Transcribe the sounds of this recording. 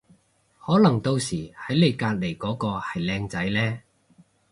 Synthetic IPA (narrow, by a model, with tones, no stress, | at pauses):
hɔː˨˥lɐ˨˩ŋt̪o˧wsiː˨˩hɐ˨˥jle˨˧jkaː˧t̚le˨˩jkɔː˨˥kɔː˧hɐ˨jlɛː˧ŋt͡sɐ˨˥jlɛː˥